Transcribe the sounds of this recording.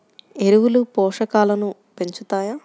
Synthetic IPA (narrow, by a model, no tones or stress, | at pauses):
e̞ɾuwulupɔːʂɐkaːlɐnupe̞ɲt͡ʃut̪aːjaː